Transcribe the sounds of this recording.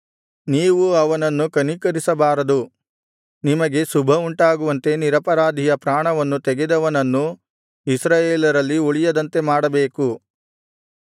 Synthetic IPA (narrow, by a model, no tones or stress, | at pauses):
niːʋuɐʋɐnɐnːukɐnikɐɾisɐbaːɾɐd̪u | nimɐɡe̞subʱɐuɳʈaːɡuʋɐnt̪e̞niɾɐpɐɾaːd̪ʱijɐpɾaːɳɐʋɐnːut̪ɛɡed̪ɐʋɐnɐnːu | isɾaːjeːlɐɾɐlːiuɭijɐd̪ɐnt̪e̞maːɽɐbeːku